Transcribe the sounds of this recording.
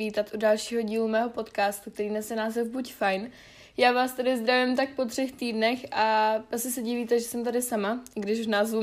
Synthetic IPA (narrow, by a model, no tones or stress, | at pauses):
iːt̪at̪ʔudalʃiːɦo̞ɟiːlumɛːɦo̞po̞t̪kaːst̪uk̚t̪ɛɾiːnɛsjɛnaːzɛvbucfajn | jaːvaːst̪adɪzd̪ɾavɪɛmt̪ak̚po̞t̪r̥ɛxt̪iːdnɛxʔaasɪsɛɟiviːt̪ɛʒɛsɛmt̪adɪsamaɡdɪʃuʒnaːzvu